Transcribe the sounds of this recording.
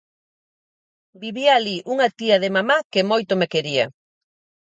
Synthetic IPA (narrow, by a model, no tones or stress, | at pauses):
biβiaːliʔuŋat̪iaðemamakemojt̪omekeɾia